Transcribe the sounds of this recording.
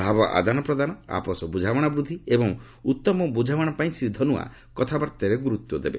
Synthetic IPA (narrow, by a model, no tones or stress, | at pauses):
bʱabɔʔa̰d̪anɔpɾɔd̪anɔa̰pɔsɔbud͡ʒʱawɔɽ̃ɔbɾud̪ʱiebɔŋ | ut̪ːɔmɔbud͡ʒʱawɔɽ̃ɔpaĩsɾid̪ʱɔnua̰ | kɔt̪ʰabɔɾt̪eɾeɡuɾut̪wɔd̪ebḛ